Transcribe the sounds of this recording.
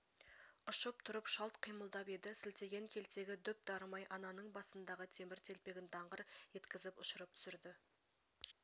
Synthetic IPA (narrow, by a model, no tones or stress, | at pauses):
ʊʃəp̚t̪ʰʊɾəpʃɑlˠt̪qʰijməlˠd̪ɑpe̞d̪ɪsɪlt̪e̞ɡʲe̞ŋkʲʰe̞lt̪e̞ɡʲɪd̪ʏp̚d̪ɑɾmɑjʔɑnɑnəɴbɑsənd̪ɑʁət̪ʰe̞mɪɾt̪ʰe̞lpe̞ɡʲɪnt̪ʰɑɴʁəɾje̞t̪kʲɪzɪpʊʃəɾəp̚t̪ʰʏ̥sɪɾd̪ɪ